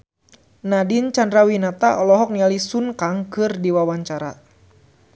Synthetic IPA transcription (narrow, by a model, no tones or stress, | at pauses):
nadint͡ʃandɾawinat̪aʔɔlɔɦɔk̚nialisunkaŋkɨrdiwawaɲt͡ʃaɾa̰